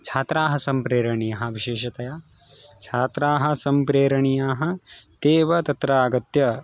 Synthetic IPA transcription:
t͡ʃʰaːt̪ɾaːɦɐsɐmpɾeːɾɐɳijɐɦɐ̆ʋiʃeːʃɐt̪ɐjaː | t͡ʃʰaːt̪ɾaːɦɐ̆sɐmpɾeːɾɐɳijaːɦɐ̆t̪eːʋɐt̪ɐt̪ɾɐaːɡɐt̪jɐ

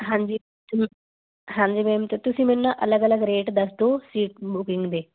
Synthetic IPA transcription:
ɦãːɲd͡ʒiː | t̪ | ɦãːɲd͡ʒiːmɛ̃ːmt̪et̪ʊsĩːmɛ̃ːnːãːʔələɡələɡɾeːʈd̪əsd̪oːsiːʈ̚bʊkɪŋɡd̪eː

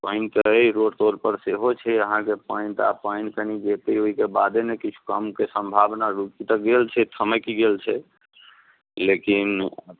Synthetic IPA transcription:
paɪnt̪əiɾoɖt̪oɾpəɾseɦot͡ʃʰɛəɦãkepaɪnt̪apaɪnkənid͡ʒet̪eoɦikebad̪enekit͡ʃʰu̥kəmkesəmbʱabnaɾukit̪əkɡelt͡ʃʰɛt̪ʰəməkiɡelt͡ʃʰɛ | lekin

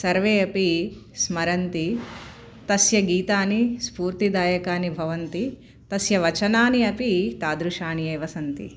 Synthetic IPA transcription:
sɐɾʋeːɐpi | smɐɾɐnt̪i | t̪ɐsjɐɡiːt̪aːnispuːɾt̪id̪aːjɐkaːnibʱɐʋɐnt̪i | t̪ɐsjɐʋɐt͡ʃɐnaːniɐpit̪aːd̪ɾuʂaːnijeːʋɐsɐnt̪ḭ

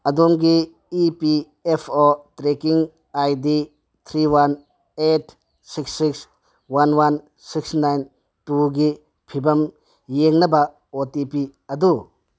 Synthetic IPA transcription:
ɐdomɡiː | pi | epʰotɾekiŋ | ajdi | t̪ʰɾiwan | etʰ | siksːiks | wanwan | siksnajn | tuɡi | pʰibɐm | jeŋnɐbɐ | otipiɐd̪u

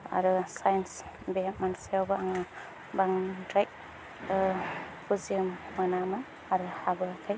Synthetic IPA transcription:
a̰ɾɯsajns | bet̚mansiawbaaŋa | baŋdɾajk̚ | kuziɯmːanamaː | ɾɯhabɯakʰɯj

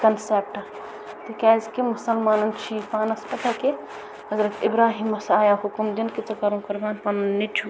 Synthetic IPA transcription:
kɐnsep̚ʈɐ | t̪ikɛːzkemʊsɐlmaːnɐnt͡ʃʰifaːnɐspɐt̪ake | ɦɐzɾɐt̪ibɾaːɦiːmɐsaːjaɦukumd̪inket͡sɐkɐɾũkɐɾbaːnpɐnɐnːit͡ʃʰu

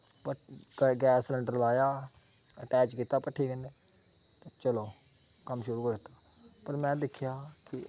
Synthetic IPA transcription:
pəɡɛːsləɳɖəɾlaːjaː | əʈɛːt͡ʃkiːt̪aːpəʈʰːiːkəneː | t̪et͡ʃəloː | kəmʃʊɾuːkəɾd̪ɪt̪aː | pəɾmɛ̃ːd̪ɪkʰːjaːkɪ

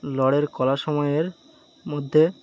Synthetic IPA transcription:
lɔɽeɾkɔlaʃɔmɔeeɾ | mod̪ʱːe

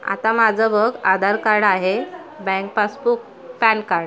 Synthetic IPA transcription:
a̰t̪amad͡zʱəbəɡad̪ʱaɾkaɾɽaɦe | bɛ̃ŋk̚pasbuk̚ | pɛnkaɾɽ

